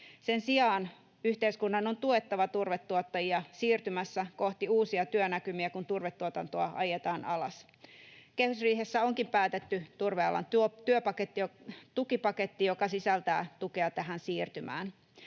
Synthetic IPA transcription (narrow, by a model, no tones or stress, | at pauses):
sensiɑːn | yht̪eiskunːɑnont̪uet̪ːɑʋɑt̪urʋet̪ːuot̪ːɑjiɑsiːrt̪ymæsːæko̞ht̪iuːsiɑt̪yønækymiækunt̪urʋet̪ːuot̪ɑnt̪oɑɑjet̪ɑːnʔɑlɑ̰s | kehysriːɦesːæoŋkimpæːt̪et̪ːyt̪urʋeɑ̰lɑ̰nt̪t̪yøpɑket̪ːijot̪ukipɑke̞t̪ːijokɑsisælt̪æ̰ːt̪ukeɑt̪æɦænsiːrt̪ymæ̰ːn